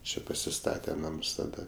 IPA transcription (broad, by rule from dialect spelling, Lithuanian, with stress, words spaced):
ˈt͡ʃʲɛ pɐsʲɪˈstɑːtʲɛ ˈnɐms tɐˈdɐ